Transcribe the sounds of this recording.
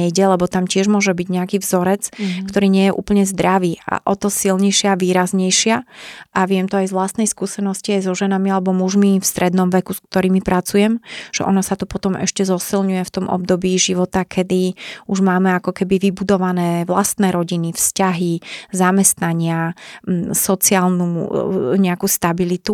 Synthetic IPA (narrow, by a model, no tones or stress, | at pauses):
ɛjɟɛlɛbɔt̪amcɪɛʒmʊɔʒɛbiɟɲɛakiːvzɔɾɛt͡skt̪ɔɾiːɲɪɛjɛʔṵːpl̩ɲɛzd̪ɾaʋiːa̰ʔɔt̪ɔsilɲɛjʃɪaːʋiːɾazɲɛjʃɪaʔaʋɪɛmt̪ɔajzʋlast̪nɛjskuːsɛnɔsciajzɔʒɛnamialɛbɔmuʒmifst̪ɾɛd̪nɔmʋɛkusk̚t̪ɔɾiːmipɾʔat͡sujɛmʒ̥ɛ̰ʔɔnɔsat̪upɔt̪ɔmɛ̰ʃcɛzɔsilɲujɛft̪ɔmʔɔ̰bd̪ɔbiːʒiʋɔt̪akʰɛd̪iuʒmaːmɛakɔkɛbiʋibud̪ɔʋanɛːʋlast̪nɛːɾɔɟinifscaɦizamɛst̪naɲɪa | sɔt͡siaːlnuɲɛakuːst̪abilit̪u